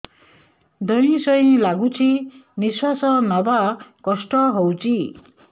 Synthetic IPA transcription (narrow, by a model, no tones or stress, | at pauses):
d̪ʌĩsʌj̃laɡũt͡sʰiniswasʌnʌbakʌsʈʌɦowt͡sʰi